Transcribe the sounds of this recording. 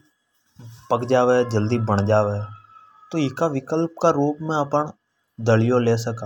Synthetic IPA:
pəkd͡ʒaːʋeːd͡ʒəld̪iːbəɳd͡ʒaːʋeː | t̪oːɪkaːʋɪkəlp̚kaːɾuːpmẽːəpəɳ | d̪əlɪjõːleːsəka

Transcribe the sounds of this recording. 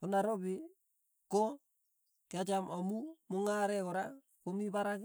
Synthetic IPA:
konaɾobi | ko | kead͡ʒamomumuŋaɾekoɾa | komibaɾak

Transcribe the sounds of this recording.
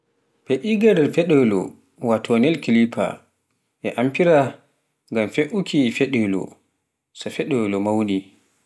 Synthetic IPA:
pɛʔiɡaɾɛfɛɗɛlɔ̰ | watʰɔnɛlkilipʰa̰ | ʔɛʔampiɾa | ŋɡamfeʔukʰifɛɗɛlɔ̰ | safɛɗɛlɔmawni

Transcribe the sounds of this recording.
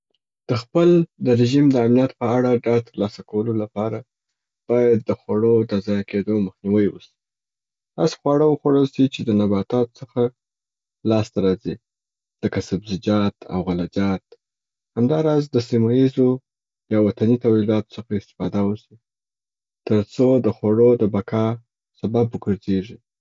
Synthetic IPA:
d̪̥əxpəld̪əɾɪʒimd̪əamnijat̪pəaɽaɖɑt̪əɾlɑsakawəlolapɑɾa | b̥ɑjad̪̚ːəxwaɽod̪əazɑjaked̪oməxniwəjwə̰si̥ | d̪ɑ̰sxwɑɽəwəxaɽəlsit͡ʃed̪ənabɑt̪ɑt̪o̥t͡səxa | lɑst̪aɾɑzi | ləkasabzɪd͡ʒɑt̪ʰa̰wɣalad͡ʒɑt̪̚ | hamd̪ɑɾɑzd̪əsimajizo | jɑwat̪anit̪awilɑt̪o̥t͡səxaɪst̪ɪ̥fɑd̪awəsi | t̪əɾt͡sod̪əxwaɽod̪əbakɑ | sababwəɡəɾzeʐi

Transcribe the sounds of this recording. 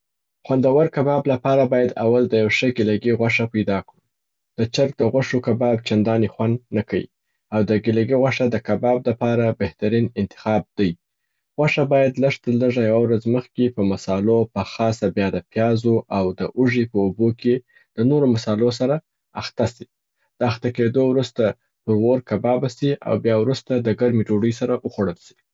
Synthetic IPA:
xwand̪awəɾkabɑblapɑɾabɑjad̪awald̪əjawʂəɡɪlaɡeɣwaʂapajd̪ɑkɽi | d̪̥ət͡ʃaɾk̚d̪əɣwaʂokabɑbt͡ʃand̪ɑnixwand̪nakaḭ | awd̪əɡɪlaɡeɣwaʂad̪əkabɑb̚lapɑɾabeht̪aɾinɪnt̪ɪ̥xɑb̚d̪aj | ɣaʂabɑjad̪ləʂt̪əɾləʐajawawɾazməxkepəmasɑlopəxɑsabjɑd̪əpjɑzoʔawd̪əʔuʐipəuboke | d̪̥ənoɾomasɑlos̬aɾa | axt̪asi | d̪̥əaxt̪aked̪owɾust̪a | pəɾɣoɾkabɑbasia̰wbjɑwɾust̪ad̪əɡaɾmid͡ʒoɖəjsaɾaʔəxwoɽəlʃi̥

